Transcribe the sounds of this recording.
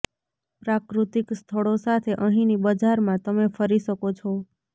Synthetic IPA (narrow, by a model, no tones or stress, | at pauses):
pɾakɾut̪ikst̪ʰəɭosat̪ʰeʔəɦĩnibəd͡ʒaɾmãt̪əmefəɾiʃəkot͡ʃʰo